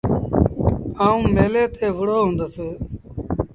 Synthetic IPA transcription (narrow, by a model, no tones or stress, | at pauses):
aːũːmeːleːt̪ʰeːʋəɽoːɦõːnd̪oːseː